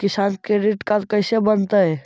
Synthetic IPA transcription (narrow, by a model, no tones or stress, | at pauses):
kɪsaːnkeɾɪʈkat̪kɐɪsebənt̪aɦɛː